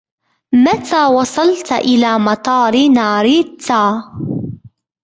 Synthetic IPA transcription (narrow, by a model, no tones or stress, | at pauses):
mat̪ʰaːwɑsˤɑlt̪ʔɪlaːmɑt̪ˤɑːɾɪnaːɾit̪ːaː